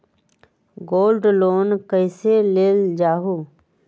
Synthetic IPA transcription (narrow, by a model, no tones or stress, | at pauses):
ɡoːlɖloːnkəɪseleːld͡ʒaːɦuː